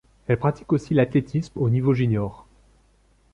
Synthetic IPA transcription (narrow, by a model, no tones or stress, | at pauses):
ɛlpχat̪i̥kosilat̪let̪ʰismonivoʒynjɔʁ